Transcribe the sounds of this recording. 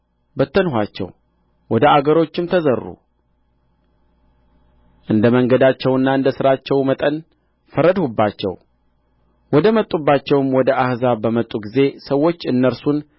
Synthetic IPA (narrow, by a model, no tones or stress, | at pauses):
bət̪ʰːənɦat͡ʃːɛ̰w | wɔd̪əaɡəɾo̞t͡ʃːɪmt̪ʰəzəɾːṵ | ʔɨnd̪əməŋɡəd̪at͡ʃːɛwɨnːaɨnd̪əsɨɾat͡ʃːɛwmət̪ʼən | fəɾəd̪hubːat͡ʃːɛ̰w | wɔd̪əmət̪ʼːubːat͡ʃːɛwɨmwɔd̪əʔahzabəmət̪ʼːuɡize̞səwːo̞t͡ʃːɨnːəɾsun